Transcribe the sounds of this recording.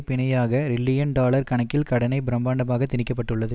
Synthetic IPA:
pɪnɐjaːɣɐɾɪlːɪjɐnɖaːlɐɾkɐɳɐkːɪlkɐɽɐnɐɪbɪɾɐmbaːɳɖɐmaːɣɐt̪ːɪnɪkːɐp̬ːɐʈːɯɭːɐðɯ

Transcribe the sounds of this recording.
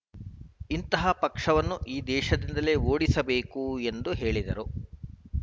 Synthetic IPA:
int̪ɐɦɐpɐkʂɐʋɐnːuʔiːd̪ɛːʃɐd̪ind̪ɐle̞ːoːɽisɐbeːkue̞nd̪uɦe̞ːɭid̪ɐɾu

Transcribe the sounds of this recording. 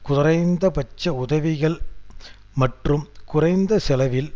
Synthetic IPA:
kʊrɐɪnd̪ɐpɐt͡ʃːɐʊðɐʋɪɣɐɭ | mɐʈrɯmkʊrɐɪnd̪ɐsɛlɐʋɪl

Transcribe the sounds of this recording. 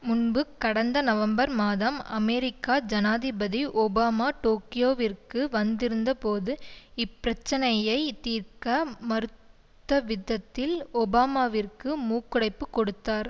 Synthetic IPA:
mʊɳbɯkːɐɽɐnd̪ɐnɐʋɐmbɐɾmaːðɐmɐmɛːɾɪkːaːd͡ʒɐnaːðɪbɐðiʔɔbaːmaːʈoːkɪjoːʋɪrkɯʋɐnd̪ɪɾɯnd̪ɐpoːðɯɪpːɪɾɐt͡ʃːɐnɐjɐɪt̪iːɾkɐmɐɾɯt̪ːɐʋɪðːɐt̪ːɪlɔbaːmaːʋɪrkɯmuːkːʊɽɐɪpːɯkːɔɽɯt̪ːaːɾ

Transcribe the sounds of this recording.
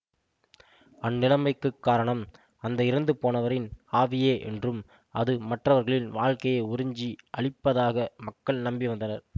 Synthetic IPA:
ɐnːɪlɐmɐɪkːɯkːaːɾɐɳɐm | ɐnd̪ɐɪɾɯnd̪ɯpoːnɐʋɐɾɪnaːʋɪjeːʔɛ̰ndrɯm | ʔɐðɯmɐʈrɐʋɐɾɣɐɭɪnʋaːɻkɐjɐɪʊɾɪɲd͡ʒiʔɐɭɪpːɐðaːɣɐmɐkːɐɭnɐmbɪʋɐnd̪ɐnɐɾ

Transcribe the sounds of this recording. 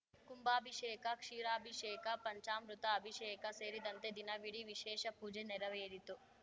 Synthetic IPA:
kumbaːbʱiʃeːkakʂiːɾaːbʱiʃeːkapɐɲt͡ʃaːmɾut̪aːbʱiʃeːjkɐseːɾid̪ɐnt̪ed̪inɐʋiɽiʋiʃeːʃɐpuːd͡ʒeneɾɐʋejed̪it̪ːu

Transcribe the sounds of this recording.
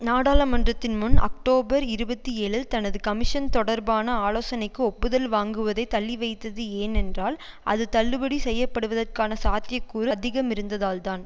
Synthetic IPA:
naːɽaːlɐmɐndrɐt̪ːɪnmʊnɐ̰k̚ʈoːbɐɾɪɾɯbɐt̪ːieːɭɯlt̪ɐnɐðɯkɐmɪʂɐnt̪ɔɽɐɾbaːnɐaːloːsɐnɐɪkːɯɔpːɯðɐlʋaːŋɡɯʋɐðɐɪt̪ɐɭːiʋɐɪt̪ːɐðɯeːnɛndraːl | ʔɐ̰ðɯt̪ɐɭːɯbɐɽisɛjːɐpːɐɽɯʋɐðɐrkaːnɐsaːt̪ɪjɐkːuːɾɐd̪ɪɣɐmɪɾɯnd̪ɐðaːlt̪aːn

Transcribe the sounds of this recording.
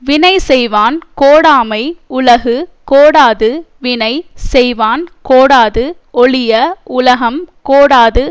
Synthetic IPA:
ʋɪnɐɪsɛjʋaːnkoːɽaːmɐɪʊlɐɣɯkoːɽaːðɯʋɪnɐɪsɛjʋaːnkoːɽaːðɯ | ɔɭɪjɐʊlɐɣɐmkoːɽaːðɯ

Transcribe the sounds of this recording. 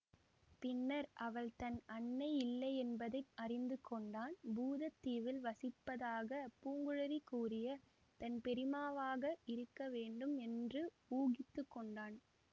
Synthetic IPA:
pɪnːɐɾʔɐʋɐɭt̪ɐnɐɳːɐɪlːɐɪɛnbɐðɐɪɐrɪnd̪ɯkːɔɳɖaːnbuːðɐt̪ːiːʋɪlʋɐsɪpːɐðaːɣɐpuːŋɡɯɻɐɾikːuːrɪjɐ | t̪ɐnpɛɾɪmaːʋaːɣɐɪɾɯkːɐʋeːɳɖɯmɛndrɯ | uːɣɪt̪ːɯkːɔɳɖaːn

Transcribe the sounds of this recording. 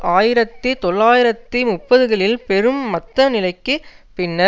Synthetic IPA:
ʔaːjɪɾɐt̪ːɯt̪ɔɭːaːjɪɾɐt̪ːɯmʊpːɐðɯɣɐɭɪlpɛɾɯmːɐt̪ːɐnɪlɐɪkːɯpɪnːɐ

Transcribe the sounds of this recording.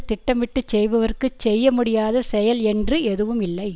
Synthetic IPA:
t̪ɪʈːɐmʋɪʈːɯt͡ʃːɛjʋɐʋɐrkɯt͡ʃːɛjːɐmʊɽɪjaːðɐsɛjɐlɛndrɯɛðɯʋɯmɪlːɐɪ

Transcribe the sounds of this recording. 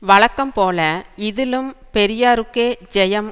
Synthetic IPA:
ʋɐɭɐkːɐmpoːlɐɪðɪlɯmpɛɾɪjaːɾɯkːeːd͡ʒɛjɐm

